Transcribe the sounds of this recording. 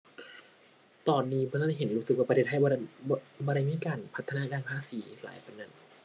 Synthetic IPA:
t̪ɔː˧nːiː˦˥bɔː˧a˥a˧˩ɦe˨˦nɾuː˦˥sɯ˨˩k̚waː˧˩p̪ʰeː˧˩t̪̚ʰa˧˥˨bɔː˧ɾa˧˩jmiː˧˥˨kaː˧npʰt̪ʰːa˧naː˧˥kaː˧˨nhʰaː˧˥˨siː˨˩˦la̰ː˨˦jpa˧nːɯ˧˩˨n

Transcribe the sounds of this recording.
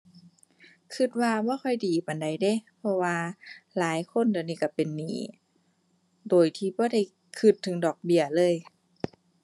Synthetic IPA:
kʰɯ˧t̪̚waː˧bɔː˧˥˦kʰɔ˧˨jdiː˨˩pa˨˩nda˨˩jde˧˥˦pʰɔ˧waː˧laː˨˦jkʰo˧˥˨nda˧˩˨niː˧˩ka˧˩pe˨nːiː˨˩ | doː˨˩jt̪ʰiː˧bɔː˧˦da˧˩j | kʰɯ˧˩t̪ʰːɯ˨˦ŋdɔː˨˩k̚bi˧˩ɐəlɤː˧˥˨j

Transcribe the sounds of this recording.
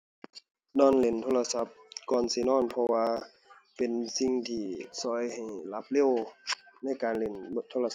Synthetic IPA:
nɔː˧˩˨nle˨nt̪ʰoː˧la˧sa˧˦p̚kɔː˧˩nsi˧˩nɔː˧˥˨npʰɔ˧waː˧ | pe˨nsi˧ŋt̪ʰiː˧˩sɔː˧˦jha˨˩jla˧˥p̚le˧˥˨wna˧˥˨jkaː˨nle˨˩n˧t̪ʰoː˧la˧

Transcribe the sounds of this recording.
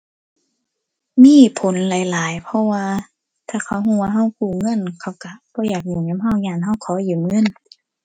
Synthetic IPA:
miː˧˥˨pʰo˨˦nlaː˨˦jlaː˨˦jpʰɔ˧waː˧ | t̪ʰaː˧˩kʰa˧˦whuː˧˨waː˧ɦa˧˥˩wkuː˧˩ŋɤ˧˥˨nkʰa˧˩wka˧˦b̥ɔː˧˦jaː˨˩k̚ɲuː˨ŋɲa˧˦mɦa˧˩˨wɲaː˧˩˨nɦa˧˥˨wkʰɔː˨˦juː˨˩mŋɤ˧˥˨n

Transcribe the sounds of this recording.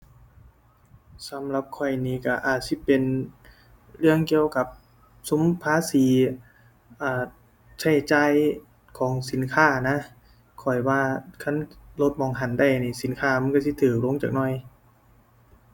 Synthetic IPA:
sa˨˦mla˧p̚kʰɔ˧˩jniː˧˩ka˧˩ʔaː˨˩t̪̚si˧˥˦pe˧n | ɾɯ˥˩əŋki˧əwka˧˦p̚ | su˨˦mpʰaː˧˥˨siː˨˦ | ʔaː˧˩ | t͡ɕʰa˧˩jt͡ɕaː˧˩˨j | kʰɔː˨˦ŋsi˨˦nkʰaː˧˥˩na˧˥ | kʰɔ˨˩jwaː˧kʰa˧˥˨nlo˧˦t̪̚mɔː˧˩ŋɦa˧˩nda˧˥˩jniː˧˩si˨˦nkʰaː˧˩˨ma˧˥˨nksi˧˦t̪ʰɯː˨˩k̚lo˧˥˦ŋt͡ɕaː˨˩k̚nɔ˧˩j

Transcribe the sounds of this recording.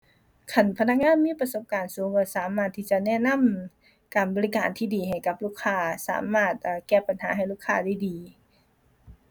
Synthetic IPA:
kʰa˧˩npʰa˧na˧˥k̚ŋaː˧˥˨nmiː˧˥˨pa˧so˧˦p̚kaː˨˩nsuː˨˦ŋkɔː˧˩saː˨˩˦maː˧˩t̪ʰːiː˧˩t͡ɕa˧˨nɛ˧˨na˧˥˨m | kaː˨˩nbɔː˨˦li˧kaː˨nt̪ʰiː˧˩diː˨˩ha˨˩jka˧˦p̚luː˧˥˩kʰːaː˧˩sa̰ː˩˦maː˧˩t̪̚ʔːkɛː˧˩pa˨nha̰ː˨˦ɦa˨˩jluː˧˥˩kʰːaː˧˩˨da˧˩jdiː˨˩

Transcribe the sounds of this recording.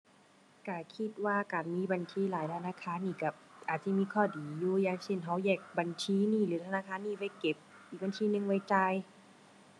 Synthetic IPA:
ka˧˩kʰi˧˥t̪̚waː˧˨kaː˨˩nmiː˧˥˨ba˨ntʰiː˧˥˨laː˨˦jt̪ʰa˧naː˧˥˨kʰaː˧˥˨nːiː˧˩ka˧˩ʔaː˨˩t̪̚si˧˦˨miː˧˥˧kʰɔː˧˩diː˨˦juː˧jaː˧˩ŋse˧˩nɦa˧˩wjɛː˧˩k̚ba˨nt͡ɕʰiː˧˥niː˧˩˨lɯː˨˦t̪ʰa˧naː˧˨kʰaː˧˥˨nːiː˧˩˨wa˧˩jke˨˧˦p̚ | ʔiː˨˩k̚ba˧˨ntʰiː˧˥nɯ˧ŋwa˧˥˩jt͡ɕa˧j

